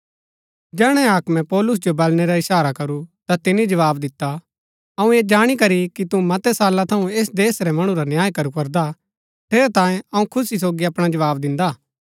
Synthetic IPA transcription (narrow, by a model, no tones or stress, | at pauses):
d͡ʒɛːɽ̃ɛ̃aːkmɛ̃pɔːlʊs̬d͡ʒobɐlnɛɾaɪʃaːɾakɐɾut̪at̪ɪnid͡ʒɐʋaːbd̪ɪt̪ːa | ɐũeːd͡ʒaːɽ̃ikɐɾikit̪umɐt̪ɛsaːlat̪ʰɐũeːsd̪eːsɾɛmɐɽ̃ũɾanjaːjkɐɾukɐɾd̪a | ʈ̪ʰeːɾɛt̪ãːjẽɐũkʰʊsisoːɡiɐpɽ̃ad͡ʒɐʋaːbd̪ɪ̃nd̪aː